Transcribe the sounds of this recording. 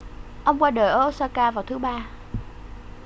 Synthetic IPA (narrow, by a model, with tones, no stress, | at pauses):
ʔə˧wŋ͡mkwaː˧ɗəː˨˩jʔəː˧saː˧kaː˧vaː˨˩wt̪ʰɨ˨˦ɓaː˧